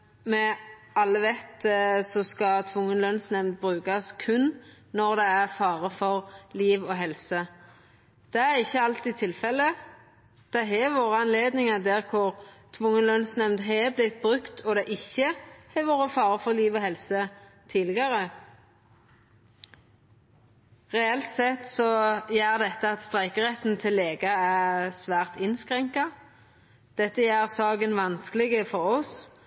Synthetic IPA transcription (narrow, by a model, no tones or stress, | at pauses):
mɛ | ɑlːəʋɛt̪sɔskɑt̪ʰʋʊŋːənlœnsnɛmd̪̚bʁʉːkɑskʰʉnː | ɔʁd̪ɛæʁfɑːʁəfɔʁliːʋoːɦɛlsə | d̪̥ɛæʁɪçːəɑlt̪ɪt̪ʰɪlfɛlːə | d̪̥ɛɦɛʋoːʁəɑnleːd̪nɪŋɑd̪æʁkʰʊɾt̪ʰʋʊŋːənlœnsnɛmd̪ɦɛblɪt̪̚bʁʉkt̪ʰɔd̪ɛʔɪçːəhɛʋoːʁəfɑːʁəfɔʁliːʋɔhɛlsə | t̪ʰiːlɪɡɑʁə | ʁɛɛlt̪sɛt̪ːsɔjæːʁd̪ɛt̪ːəɑt̪st̪ʁæɪkəʁɛt̪n̩t̪ʰɪlːeːɡɑæʁsʋæːʁt̪ɪnskʁɛŋkɑ | d̪̥ɛt̪ːəjæːʁsɑːɡənʋɑnskəlɪɡəfɔʁɔs